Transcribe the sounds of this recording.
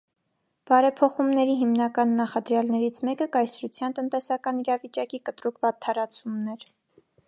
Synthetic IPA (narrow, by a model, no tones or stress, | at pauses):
b̥ɑɾɛpʰɔχumnɛɾiɦimnɑkɑnːɑχɑd̪ɾjɑlnɛɾit͡sʰmɛkəkɑjsɾut͡sʰjɑnt̪ənt̪ɛsɑkɑniɾɑvit͡ʃɑkikət̪ɾukvɑt̪ʰːɑɾɑt͡sʰumnɛɾ